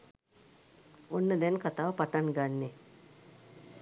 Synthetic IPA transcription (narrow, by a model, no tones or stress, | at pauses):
onːəd̪ɛnkat̪aːʋəpaʈaŋɡanːe